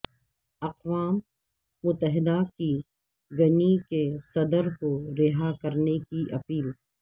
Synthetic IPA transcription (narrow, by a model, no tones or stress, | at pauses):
ɐqʋaːmː | ʊt̪ːəɦɪd̪aki | ɡɐnikesɐd̪əɾkoɾɪɦakɐɾnekiʔɐpiːl